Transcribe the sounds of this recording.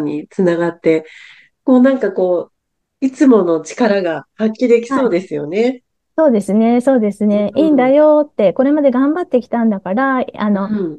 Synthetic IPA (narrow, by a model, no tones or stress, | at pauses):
ɲ̟it͡sɨnaɡat̪ːe̞ | koːnãŋkako̞ː | it͡sɨmo̞no̞t͡ɕi̥kaɾaɡahakʲːid̪ekʲi̥so̞ːd̪e̞sɨjone̞ | so̞ːd̪e̞sɨne̞so̞ːd̪e̞sɨne̞iːnd̪ajo̞t̪ːe̞ko̞ɾe̞mad̪e̞ɡãmbat̪ːe̞kʲi̥t̪ãnd̪akaɾaano̞